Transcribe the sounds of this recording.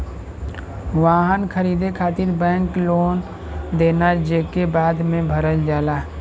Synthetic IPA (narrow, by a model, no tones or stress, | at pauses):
ʋaːɦənkʰəɾiːd̪ekʰaːt̪ɪɾbɛ̃ːŋkloːn | d̪eːnad͡ʒeːkebaːd̪mẽbʱəɾəld͡ʒaːlaː